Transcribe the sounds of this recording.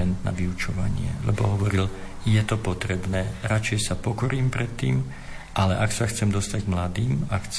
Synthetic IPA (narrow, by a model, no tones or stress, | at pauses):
ɛnt̪na̰ʋiut͡ʃɔʋaɲɪɛ̰lɛbɔɦɔʋɔɾil | jɛt̪ɔpɔt̪ɾɛbnɛːɾat͡ʃɛjsapɔkɔɾiːmpɾɛt̪ːḭːm | ʔalɛʔaksaxt͡sɛmd̪ɔst̪aɟɡmlad̪iːmaxt͡s